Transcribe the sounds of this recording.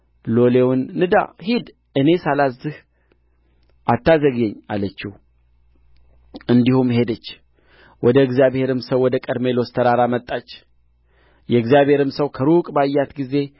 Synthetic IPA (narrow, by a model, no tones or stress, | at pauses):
lo̞lewnːɨd̪a̰hid̪ | ɨne̞salazːɨh | ʔat̪ːazəɡɛɲːa̰lət͡ʃːɪh | ɨnd̪ihumɦe̞d̪ət͡ʃː | wɔd̪əɨɡzjaβhe̞ɾɨmsəwːɔd̪əkʼəd̪me̞lo̞st̪ʰəɾaɾamət̪ʼːat͡ʃː | jɛɨɡzjaβhe̞ɾɨmsəwkʰəɾukʼbajːat̪ɡize̞